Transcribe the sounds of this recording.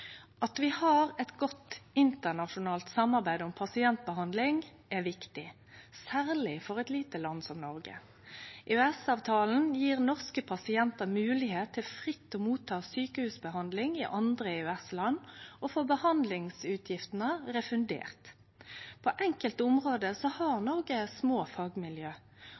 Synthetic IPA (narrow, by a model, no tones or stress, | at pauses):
ɑt̪ʋɪhɑːʁɛt̪ɡɔt̪ɪnt̪əʁnɑʂʊnɑːlt̪sɑmːɑʁbæɪd̪ɔmpʰɑsɪɛnt̪̚bəɦɑnd̪lɪŋ | æʋɪkt̪ɪ | sæːʁlɪfɔʁɛt̪liːt̪əlɑnːsɔmnɔʁɡə̰ | ʔeœɛsɑːʋt̪ʰɑːln̩jiːʁnɔʁskəpʰɑsɪɛnt̪əmʉːlɪheːt̪ʰːɪlfʁɪt̪ːɔmuːt̪ʰːɑːsyːkəhʉːsbəɦɑnd̪lɪŋɪʔɑnd̪ʁəeʉɛslɑnːɔfoːbəhɑnd̪lɪŋsʉːt̪ʰjɪft̪ənəʁɛfʉnd̪ḛːʁt̪ | pʰɔʔɛŋkəlt̪ʊmʁoːd̪əsɔhɑʁnɔʁɡəsmoːfɑːɡmɪljøː